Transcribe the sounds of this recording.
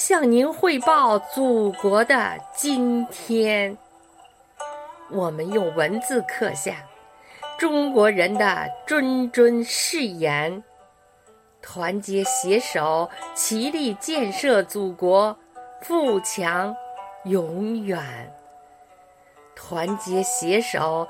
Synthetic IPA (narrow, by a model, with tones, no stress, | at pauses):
ɕjɑ˥˩ŋni˧˥nxwe˥˧ɪpɑ˥˩ʊt͡su˨˩kwɔ˧˥d̪ə̰˧t͡ɕi˥nt̪ʰjɛ˥n | wɔ˨˩mə˦njo˥˨˩ʊwə˧˥nt͡sɹ̩˥˧kʰɤ˥˧ɕja˥˩ŋ | ʈ͡ʂʊ˥ŋkwɔ˧˥ɻə˧˥nd̪ə̰˧ʈ͡ʂwə˥nʈ͡ʂwə˥nʂɻ̩˥˩jɛ˧˥n | t̪ʰwa˧˥nt͡ɕjɛ˧˥ɕjɛ˧˥ʂo˨˩˦ʊt͡ɕʰi˧˥li˥˩t͡ɕjɛ˥˧nʂɤ˥˩t͡su˨˩kwɔ˧˥ | fu˥˩t͡ɕʰjɑ˧˥ŋjʊ˧˥ŋɥɛ˨˩˦n | t̪ʰwa˧˥nt͡ɕjɛ˧˥ɕjɛ˧˥ʂo˨˩˦ʊ